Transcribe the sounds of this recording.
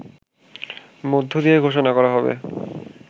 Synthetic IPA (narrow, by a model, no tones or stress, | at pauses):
mod̪ʱːod̪ijeɡʱoʃonakɔɾaɦɔbḛ